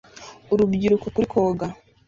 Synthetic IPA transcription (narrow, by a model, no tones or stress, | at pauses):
oɾubɟiɾukokuɾikʰoːɡa